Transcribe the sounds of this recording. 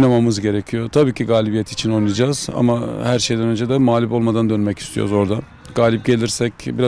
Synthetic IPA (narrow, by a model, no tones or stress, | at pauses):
namamɯzɟe̞ɾecʰijo̞t̪ʰabiːcʰiɡaːlʲibijɛt̪ʰi̥t͡ʃʰinojnujad͡ʒaːz̥a̰mahæɾʃejd̪ænø̞nd͡ʒed̪ɛmaːlʲipo̞lˠmad̪and̪ønmɛci̥st̪ʰijo̰ɾzo̞ɾd̪a | ɡaːlʲip̚ɟe̞lʲiɾsɛcbiɾa